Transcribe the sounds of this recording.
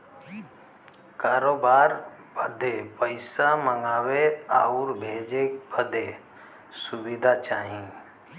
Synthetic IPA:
kaːɾoːbaːɾ | bəd̪ʱepəɪsaməŋɡaːweaːuɾbʱeːd͡ʒek̚bəd̪ʱe | sʊbɪd̪ʱat͡ʃaːɦĩ

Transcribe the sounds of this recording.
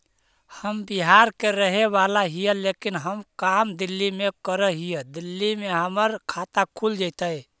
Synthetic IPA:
həmbiɦaɾkeɾəɦeʋalaɦijəlekinɦəmkamd̪ilːimekəɾəɦijəd̪ilːimeɦəməɾkʰat̪akʰuld͡ʒajt̪əj

